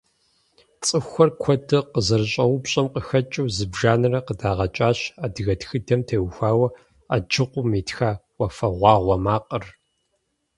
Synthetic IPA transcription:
t͡sʼɨxʷɐrkʷʰɔdɨqəzɐrɕʼɐwʊpɕʼɐmqəxɐt͡ʃʼɨwzɨbʒaːnɨrɐqədaːʁɐt͡ʃʼaːɕaːdɨɣɐtxɨdɐmtʰeːwxʷaːwɐ | a̰d͡ʒɨqʷʊmeːtxaːwɐfɐʁʷɑːʁʷɔmaːqʼər

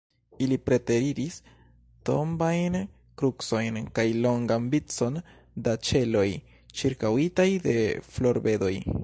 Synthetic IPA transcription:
ilipɾe̞te̞ɾiɾis | to̞̰mbajn | kɾukso̞jnkajlo̞ŋɡanbit͡so̞n | dat͡ʃe̞lo̞j | t͡ʃiɾkawitajde̞flo̞ɾbe̞do̞j

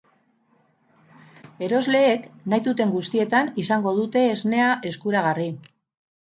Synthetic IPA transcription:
e̞ɾo̞zle̞ːknajt̪ut̪e̞ŋɡust̪ie̞t̪anisaŋɡo̞ð̞ut̪e̞ːzne̞aʔe̞skuɾaɣ̞ari

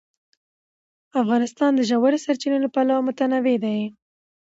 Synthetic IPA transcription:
afɣɑnɪst̪ɑnd̪əʒawaɾesaɾt͡ʃinəlopalawamʊt̪anawed̪aj

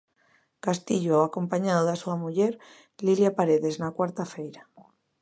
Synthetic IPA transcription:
kast̪iʎoako̞mpaɲaðoðasuamuʎeɾ | liljapaɾeðe̞znakwaɾt̪afejɾa

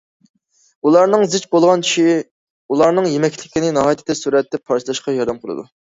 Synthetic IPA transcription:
ulˠɑɾnɨŋzɪt͡ʃbolˠʁɑnt͡ʃʃ | ulˠɑɾnɨŋjemɛkʲʰlɪkʲinɪnɑɦɑːjt̪ʰɪt̪ɛsuɾɛt̪̚d̪ːɛp̚ʰːɑɾt͡ʃʰlˠɑʃqɑjɑɾd̪ɑmqʰəlˠɨ̰d̪ṵ

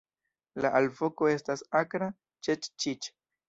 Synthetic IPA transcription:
laʔalvo̞ko̞e̞stasakɾa | t͡ʃet͡ʃt͡ʃit͡ʃ

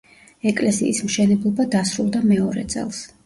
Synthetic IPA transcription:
ɛkʼlɛsḭːsmʃɛnɛblˠɔbad̪asɾulˠd̪amɛɔɾɛ̰t̪sʼɛ̰lˠs

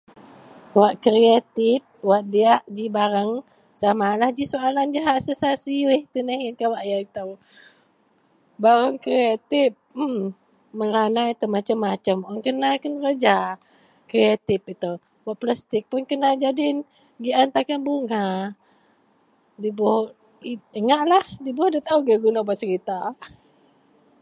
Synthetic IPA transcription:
waʔkɾiat̪ɪp̚waʔ̚diaʔd͡ʒibaɾəŋ | samalahd͡ʒisoaland͡ʒaɦaʔsəsasiuiht̪unahinkawaʔjait̪əw | baɾaŋkɾeat̪ɪp̚ | məlanait̪əmat͡ʃəmːat͡ʃəmɔŋkənakənrəd͡ʒa | kɾeat̪ɪpit̪əw | baʔplast̪ɪk̚pʊnkənad͡ʒadɪn | ɡiʔant̪akanbuŋa | dibɔh | iəŋaʔlahdibɔhdat̪auɡəɡunabaʔsəɾit̪a

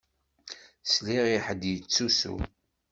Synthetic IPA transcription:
sliʁiħəd̪jət͡sːusṵ

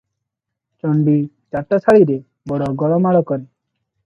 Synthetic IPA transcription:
t͡ʃɔɳɖi | t͡ʃaʈːɔsʰaɭiɾe | bɔɽɔɡɔɭɔmaɭɔkɔɾe

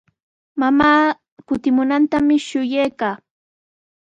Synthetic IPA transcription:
mamaː | kʊt̪ɪmʊnant̪amɪʃʊjejkaː

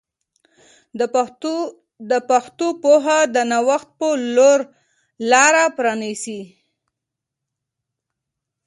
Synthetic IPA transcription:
d̪əpaxt̪opoɦad̪ənawaxt̪̚pəloɾ | lɑɾapɾɑnisi

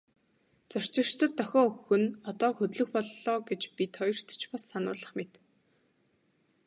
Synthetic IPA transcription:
t͡sœr̥t͡ɕɪ̥̆ʃt̪ə̆t̪ːœxʲɔːɵxxɵ̆nɔt̪ɔːxɵt̪ɮɵ̆xpɔɮːɔːɡet͡ɕpʲit̪ʰχɔjɞ̆r̥t̪t͡ɕpasːanʊ̰ːɮə̆χmet̪

